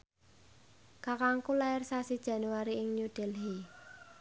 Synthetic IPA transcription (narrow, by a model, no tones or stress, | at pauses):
kakaŋkulaɪrsasid̥ʒ̥a̤nuaɾiɪŋɲud̪̥ɛlɦe